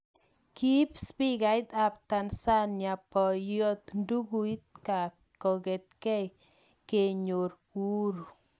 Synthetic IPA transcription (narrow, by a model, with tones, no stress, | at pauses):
ki˦pspi˦ka˨˦jt̪a˨p̚t̪a˨nsa˦nja˨pɔ˨jɔ˦t̪ndu˦ku˨i˦t̪̚ka˨ | kɔ˨ke˨t̪̚kɛ˦j | ke˨ɲo˨ɾ | u˦ɾu˨